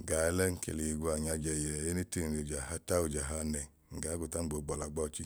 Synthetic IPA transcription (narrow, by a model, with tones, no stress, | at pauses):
ɡa˨˦lɛ˦ŋ̩˦kḛ˨le˨i˨ɡu˦a˨ɲa˧d͡ʒɛ˧˨jɛ˨je˦ne˦te˦ŋ˨ne˨d͡ʒa˨ha˦ta˦o˧˨d͡ʒa˨ɦa˦nɛ˨ | ŋ̩˨ɡa˨˦ɡo˨ta˦ŋ͡m̩˦ɡ͡bo˨˦ɡ͡bɔ˨la˨˦ɡ͡bɔ˦˨t͡ʃi˦